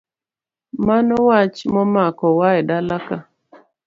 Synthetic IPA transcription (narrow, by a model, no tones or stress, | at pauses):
manɔwat͡ʃmɔmakɔwaɛdalaka